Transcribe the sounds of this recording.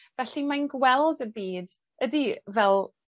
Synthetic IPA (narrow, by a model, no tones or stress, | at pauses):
vɛɬimanɡwɛlˠdəbiːd | ədivɛlˠ